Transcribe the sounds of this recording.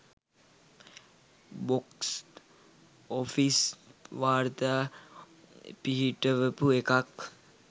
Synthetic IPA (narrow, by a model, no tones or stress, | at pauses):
boks | ofisʋaːɾt̪a | piɦiʈəʋəpuekak